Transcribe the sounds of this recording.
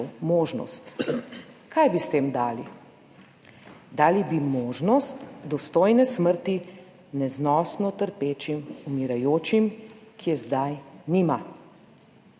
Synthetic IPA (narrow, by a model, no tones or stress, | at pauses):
moːʒnɔ̰st̪ | kʰajbist̪eːmd̪aːli | d̪aːlibimoːʒnɔst̪d̪ɔst̪oːjnɛsməɾt̪i | nɛznɔːsnɔt̪əɾpeːt͡ʃimumiɾajoːt͡ʃimkʰiɛzd̪ajnima